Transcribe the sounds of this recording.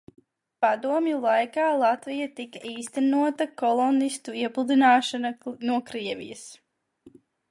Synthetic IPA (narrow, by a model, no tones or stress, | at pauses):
pad̪uɔmjulˠajkaːlˠat̪vijat̪ikaʔiːst̪ɛnuɔt̪akɔlˠɔnist̪uiɛplˠud̪inaːʃananuɔkɾiɛvʲḭjɐs